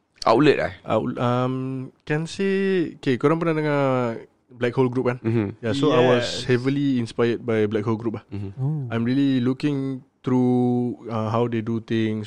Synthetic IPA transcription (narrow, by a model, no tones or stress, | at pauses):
ʔa̰uləta̰ʔa̰lamkɛ̃nseokekuɾãŋp̬ənadəŋã | blɛkholɡɾup̚kan̩jasoajwɔshɛvəliinspajəd̚bajblɛk̚holɡɾup̚lahãj̃mɹililukɪ̃ŋt̪ɾu | ãɦawdedut̪ɪ̃ŋs